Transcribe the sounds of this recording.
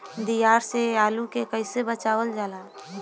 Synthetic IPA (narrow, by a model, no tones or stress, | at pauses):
d̪ijaːɾseaːlukekəɪsebət͡ʃaːwəld͡ʒaːlaː